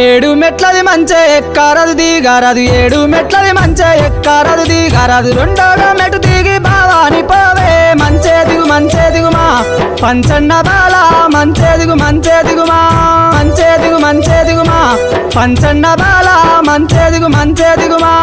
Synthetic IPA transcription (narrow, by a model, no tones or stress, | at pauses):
eːɽumeʈlɐd̪imɐɲt͡ʃeːkːɐɾɐd̪ud̪iɡɐɾɐd̪ueːɽumeʈlɐd̪imɐɲt͡ʃeːekːɐɾɐd̪ud̪iɡɐɾɐd̪uɾoɳɖoːɡɐmeʈud̪iːɡibaːʋɐɐnipoːʋemɐɲt͡ʃeːd̪uɡumɐɲt͡ʃeːd̪uɡumaː | pɐɲt͡ʃɐnːɐbaːlmɐɲt͡ʃeːd̪uɡumɐɲt͡ʃeːd̪uɡumamɐɲt͡ʃeːd̪uɡumɐɲt͡ʃeːd̪uɡumaː | pɲt͡ʃnːɐbaːlɐmɐɲt͡ʃeːd̪uɡumɐɲt͡ʃeːd̪uɡuma